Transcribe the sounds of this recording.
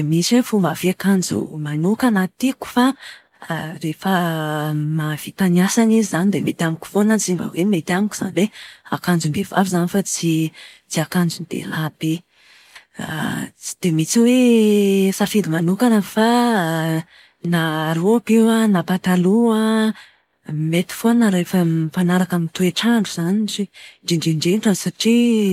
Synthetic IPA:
d̪emit͡sefumbav̥eakand͡ʒṵmanukanat̪iku̥fa | ɾefə | mav̥it̪aniasanizizanid̪emet̪amikʲu̥fonat͡simbə̰wemet̪iamiki̥za̰nibeakand͡zumbev̥avizanifat͡si | t͡siakand͡zunid̪ḛlab̥e | d̪̥emit͡siwe | safid̪imanukanəfa | naɾuapewanapat̪aluə | imet̪i̥fonəɾefəpanaɾakamint̪ueʈ͡ʂaɳɖ͡ʐuz̥aniʈ͡ʂiɖ͡ʐiɳɖ͡ʐiɳɖ͡ʐeʈ͡ʂansaʈ͡ʂi

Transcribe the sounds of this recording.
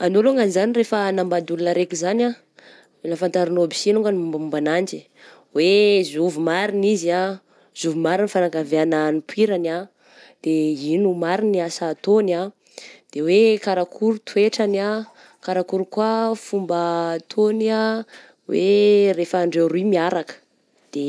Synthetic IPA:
anoluŋanizanirefənambad̪ulunəɾekʲuzana | lafant̪aɾinobi̥sinuŋɡanumbaumbanand͡ʒi̥ | wezuvumaɾinizia | z̥uvumaɾinifanaɡaveananipʰwiɾana | d̪̥einumaɾiniasaːt̪ona | d̪̥ewekaɾakʰuɾut̪ʰueʈ͡ʂana | kaɾakuɾukuafumbət̪ʰona | wḛrefaːɳɖ͡ʐewɾuimiaɾakə̥ | d̪̥e

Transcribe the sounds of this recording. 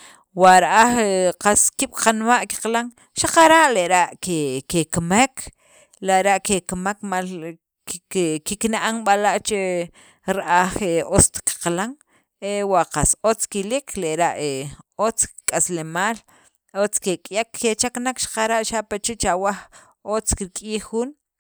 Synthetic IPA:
waʔɾaʔaχeqaskiɓ̥qanmaʔki̥qlaŋ | ʃaqaɾaʔleʔɾaʔkekekmek | leʔɾaʔkekmakmal | kiknaʔaŋɓalaʔt͡ʃe | ɾaʔaχeost̪ki̥qlaŋ | ewaʔqasot͡skilikʰleʔɾaʔeot͡skkʼaslemaːl | ot͡skekʼjakːet͡ʃaknakʃḁqaɾaʔʃapat͡ʃit͡ʃawax | ot͡skiɾkʼiːxːuːn

